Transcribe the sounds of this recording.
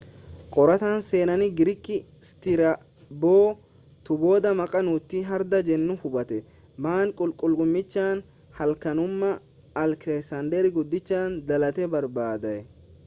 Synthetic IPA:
kʼɔɾɐt̪aːnse̞ːnɐnɪɡɪɾɪkːɪ | st̪ɪɾɐ | boː | t̪ʊbo̞ːd̪ɐmɐkʼɐnuːt̪ːɪɦɐɾd̪ɐd͡ʒɛnːʊhʊbɐt̪ɛ | maːŋkʼʊlkʼʊlkʼʊmːɪt͡ʃːaːn | hɐlkɐnʊmːɐː | lkɛsɐnd̪ɛɾɪɡʊd̪ːɪt͡ʃːaːnd̪ɐlɐt̪ɛbɐɾbaːd̪ɐʔɛ

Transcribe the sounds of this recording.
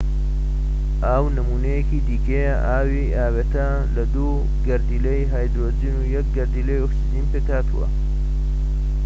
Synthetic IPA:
ʔaːwnɐmuːnejekid̪iːkejaʔaːwiʔaːweːt̪ɐ | lɐd̪u | ɡɐɾd̪iːlejɦaːjd̪ɾoːziːnujɐk̚ɡɐɾd̪iːlejoksiziːnpeːkaːt̪ṵwɐ̰

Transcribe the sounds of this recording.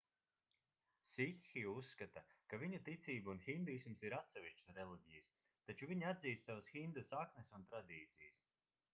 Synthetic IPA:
sixːiusːkat̪akaviɲut̪it̪sʲiːbuunxind̪ismsiɾat̪sɛviʃt͡ʃsɾelˠiɟʲijas | t̪at͡ʃuviɲiad̪ziːst̪savasxind̪usaknesunt̪ɾad̪iːt̪sijs

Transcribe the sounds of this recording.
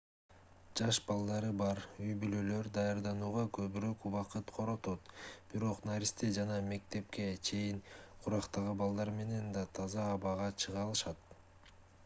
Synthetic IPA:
d͡ʒɑʃbɑlˠd̪ɑɾɯbɑɾyjbylø̞lø̞ɾd̪ɑjɑɾd̪ɑnuːʁɑkʰøβyɾøkuβɑqɯt̪qʰo̞ɾo̞t̪o̞t̪b̥iɾo̞qnaɾʲist̪ed͡ʒɑnɑme̞k̚t̪e̞p̚ke̞t͡ʃʰe̞jiŋqʰuɾɑqt̪ɑʁɯbɑlˠd̪ɑɾme̞ne̞nd̪ɑt̪ʰɑzɑːβɑʁɑt͡ʃʰɯʁɑlˠɯʃɑt̪

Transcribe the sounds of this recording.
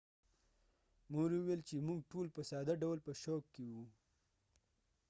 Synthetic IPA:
moɾiwuwelt͡ʃemuɡʈolpəsɑd̪aɖawlpəʃokːewu

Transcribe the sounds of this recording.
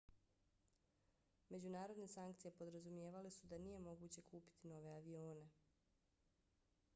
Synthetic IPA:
me̞d͡ʑunaːɾo̞d̪ne̞saŋk̚t̪sije̞po̞d̪ɾazumje̞ːʋalesud̪anije̞mo̞ɡuːt͡ɕe̞kʰuːpi̥t̪ino̞ʋe̞aʋio̞ːne̞

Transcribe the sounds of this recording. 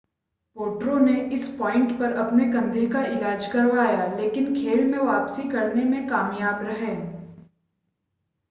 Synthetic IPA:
poːʈɾõneʔɪspɔːɪ̃ɳʈpɐɾɐpneɡɐ̃nd̪ʱekaɪlaːd͡ʒkɐɾʋaːjaleːkɪnkʰeːlmẽʋaːpsikɐɾnemẽkaːmjaːbɾɐɦẽː

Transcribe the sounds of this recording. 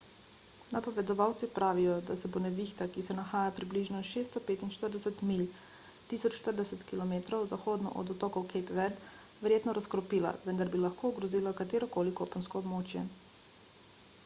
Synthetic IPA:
napɔʋɛd̪ɔʋawt̪sipɾaːʋijɔd̪asɛbonɛʋixt̪akisɛnaxaːjapɾibliʒnɔʃeːst̪ɔpeːt̪inʃt̪əɾd̪ɛsɛt̪mil | t̪isɔt͡ʃʃt̪əɾd̪ɛsɛt̪kilɔmeːt̪ɾɔwzaxoːd̪nɔ̰ʔɔ̰d̪ɔt̪ɔːkɔwkʰɛpʋɛɾd̪ | ʋɛɾjeːt̪nɔɾaskɾɔpiːla̰ʋənd̪aɾbilaxkoːɡɾɔziːlakat̪eːɾɔkoːlikopɔnskɔɔbmoːt͡ʃjɛ̰

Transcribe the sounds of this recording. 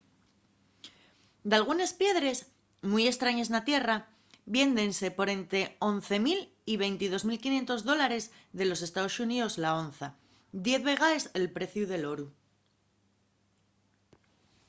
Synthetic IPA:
d̪alɣ̞une̞spje̞ðɾe̞z | muje̞st̪ɾaɲe̞snat̪je̞ra | βje̞nd̪e̞nse̞po̞ɾe̞nt̪ɾe̞o̞nθe̞mil | iβe̞jnt̪ið̞o̞zmilkinje̞nt̪o̞zðo̞laɾe̞zðe̞lo̞se̞st̪aosuniðo̞zlao̞nθa | d̪je̞θβe̞ɣ̞aeze̞lpɾe̞θjuðe̞lo̞ɾu

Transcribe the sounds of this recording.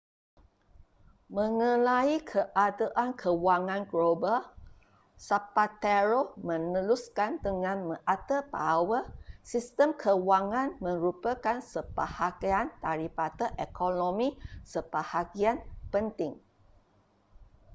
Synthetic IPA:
mə̃ŋə̃laikʰəʔadaʔankʰəwaŋãnɡloba | sapat̪eɾomə̃nəluskandəŋãnmə̃ʔat̪əbawəsist̪əmkʰəwaŋãnmə̃ɾupəkansəb̥ahaɡiant̪aɾipat̪əʔekonõmĩsəbahaɡianpənt̪ɪŋ

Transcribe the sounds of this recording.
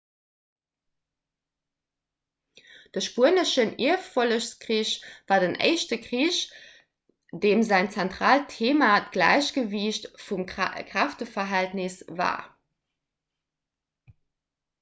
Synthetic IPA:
d̥əʃpuɐnəʃənḭɐffoləɕskʁiːɕvaːɐdənʔḛɪɕtəkʁiːɕ | d̥eːmzæɪnt͡sɛntʁ̥aːltʰeːmatɡ̥læ̰ɪɕɡ̥əviːɕtfumkʁ̥aftəfɐɦæltnisva̰ː

